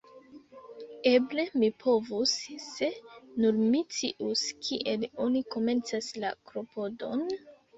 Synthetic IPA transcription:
e̞ble̞mipʰovusːe̞nuɾmit͡siʔuskʰiʔe̞lo̞niko̞me̞nt͡sasla̰kɾo̞po̞do̞n

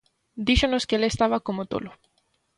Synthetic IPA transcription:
d̪iʃonoskeelest̪aβakomot̪o̰lo

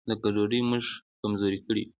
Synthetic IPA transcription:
d̪akadoɾəjməʒkamzoɾikəɽḭ

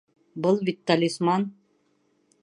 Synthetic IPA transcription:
bɤlˠvit̪ːalʲismɑn

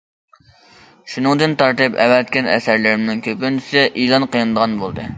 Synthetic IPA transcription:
ʃunɨŋd̪ɨnt̪ʰɑɾt̪ɨpɛ̰wɛt̪̚kʲɛnɛ̰sæɾlɪɾɪmnɪŋkʲʰøpynt͡ʃʰi̥sɪʔilˠɑnqʰijɑnɨd̪əʁɑnbolˠd̪ɨ

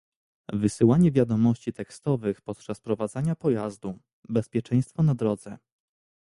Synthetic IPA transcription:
vɘsɘwaɲɛvʲjad̪ɔmɔɕt͡ɕit̪ɛkst̪ɔvɘxpɔt̪̚t͡ʂaspɾɔvad̪zaɲapɔjazd̪u | bɛspʲjɛt͡ʂɛ̃j̃st̪fɔnad̪ɾɔd̪zɛ

